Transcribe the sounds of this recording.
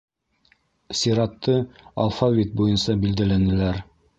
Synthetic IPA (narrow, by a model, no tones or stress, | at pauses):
sʲiɾɑt̪ːɤa̰lˠfavʲit̪̚bujɤnsɑbild̪ælænɘ̆læɾ